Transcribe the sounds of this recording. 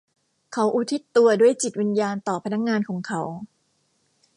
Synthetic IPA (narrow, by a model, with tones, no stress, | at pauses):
kʰa˦˥wʔuː˦˥t̪ʰi˦˥t̪ːu˧ɐdu˥˩əjt͡ɕi˨˩t̪̚wi˧njaː˧nt̪ɔː˨˩pʰa˧na˦˥k̚ŋaː˧nkʰɔː˩˦ŋkʰa˦˥w